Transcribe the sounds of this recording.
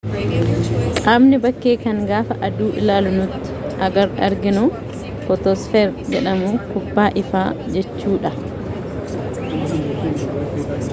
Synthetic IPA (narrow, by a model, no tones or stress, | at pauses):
kʼaːbnɪbɐkːeːkɐŋɡaːfɐʔɐd̪uːʔɪlaːlʊnʊt̪ːɪ̥ɐɡɐɾɐɾɡɪnʊ | kɔt̪osfeːɾd͡ʒɛᶑɐmuːkʊbːaːʔɪfaːd͡ʒɛt͡ʃːuːᶑɐ